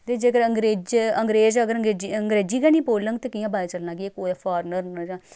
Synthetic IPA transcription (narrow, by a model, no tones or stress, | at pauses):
t̪eːd͡ʒeːkəɾəŋɡɾeːd͡ʒəŋɡɾeːd͡ʒəɡəɾəŋɡeːd͡ʒiːəŋɡɾeːd͡ʒiːkaːnĩːpoːləŋɡt̪eːkijãːbaːeːt͡ʃəlnãːɡieːkoːjaːpʰaːɾnəɾnəd͡ʒãː